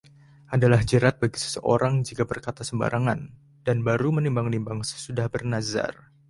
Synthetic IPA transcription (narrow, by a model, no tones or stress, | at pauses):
ʔadalahd͡ʒəɾat̪̚baɡisə̥səʔoɾaŋd͡ʒikabərkat̪asəmba̰ɾʔaŋan | d̥anbaɾumənimbaŋnimbaŋsə̥sudahbərnaza̰r